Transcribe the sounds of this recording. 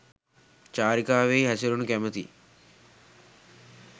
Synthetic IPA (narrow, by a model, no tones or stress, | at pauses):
t͡ʃaːɾikaːʋejɦɐsɐlunukɛmɐt̪ḭ